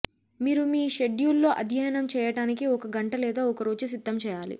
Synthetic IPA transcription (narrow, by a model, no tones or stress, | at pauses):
miːɾumiːʃe̞ɖjulːo̞ːʔɐd̪ʱijaːjɐnɐmt͡ʃɛːjɐʈaːnikiɔkɐɡɐɳʈɐlɛːd̪aːɔkɐɾo̞ːd͡ʒusid̪ːɐmt͡ʃɛːjaːlḭ